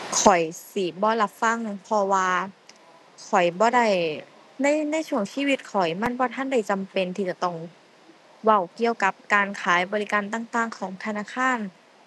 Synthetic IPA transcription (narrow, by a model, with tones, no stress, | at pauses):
kʰɔ˨˩jsi˨˩˦bɔː˧˦la˧p̚fa˧˥˨ŋnɯ˧˥˩ŋpʰɔ˧waː˧ | kʰɔ˨˩jbɔː˧˦da˧˩j | na˧˥˨jna˧˥˨jt͡ɕʰu˧˩əŋsiː˧˥˨wi˧t̪̚kʰɔ˨˩jma˧˥˨nbɔː˧˦t̪ʰa˧˥˨nda˧˩jt͡ɕa˧˨mpe˧˨nt̪ʰiː˧t͡ɕa˧˩t̪ɔ˧˩ŋ | wa˧˩wki˧əwka˧˦p̚kaː˨˧nkʰaː˨˦jbɔː˧li˦˧kaː˧nt̪aː˧ŋt̪aː˧˩ŋkʰɔː˨˩˦ŋt̪ʰa˧naː˧˨kʰaː˧˥˨n